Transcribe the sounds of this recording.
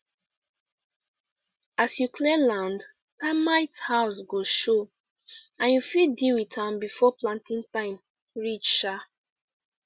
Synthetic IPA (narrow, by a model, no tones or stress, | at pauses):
asjukʰlɛlãndtamaɪthaʊsɡoʃo | ãnjufidiwitʰãmbifɔplãntĩntãɪ̃mɹit͡ʃʃa